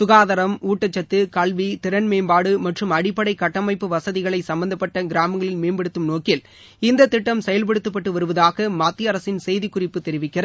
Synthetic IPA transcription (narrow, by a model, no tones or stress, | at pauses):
sʊɣaːðɐɾɐmuːʈːɐt͡ʃːɐt̪ːɯkɐlʋit̪ɪɾɐnmeːmbaːɽɯmɐʈrɯmɐɽɪpːɐɽɐɪkːɐʈːɐmɐɪpːɯʋɐsɐðɪɣɐɭɐɪsɐmbɐnd̪ɐpːɐʈːɐɡɪɾaːmɐŋɡɐɭɪnmeːnbɛɽɯt̪ːɯmnoːkɪl | ɪnd̪ɐt̪ːɪʈːɐmsɛjɐlpɛɽɯt̪ːɯpːɐʈːɯʋɐɾɯʋɐðaːɣɐmaːt̪ːiɐɾɐsɪnsɛjðɪkːʊrɪpːɯt̪ːɛɾɪʋɪkːɪrɐ